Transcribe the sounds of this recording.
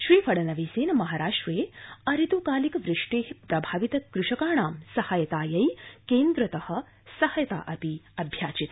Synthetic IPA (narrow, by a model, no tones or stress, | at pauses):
ʃɾiːfɐɽɐnɐʋiːseːnɐmɐɦaːɾaːʂʈʋeːɐɾit̪ukaːlikʋɾɪʂʈeːɦpɾɐbʱaːʋit̪ɐkɾuʂɐkaːɳ̃aːmsɐhajɐt̪aːjɐjkeːnd̪ɾɐt̪ɐhɐ̆ | sɐhɐjɐt̪a̰ːʔɐpiɐbʱjaːt͡ʃit̪